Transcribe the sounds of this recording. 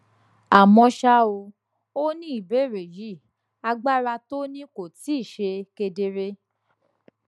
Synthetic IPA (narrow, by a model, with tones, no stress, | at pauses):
a˨mɔ̃˧ʃa˧o˧ | o˦nĩ˦i˨be˨˦˨ɾe˨ji˨˦˨ | a˧ɡ͡ba˦ɾa˧to˦nĩ˦ko˨ti˨˦i˦˨ʃe˧ke˧de˧ɾe˧